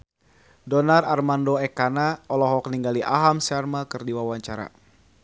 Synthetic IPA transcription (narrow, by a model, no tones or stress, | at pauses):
dɔnararmandɔɛkanaɔlɔɦɔkniŋɡaliʔa̰ɦamsarmakɨrdiwawaɲt͡ʃaɾa̰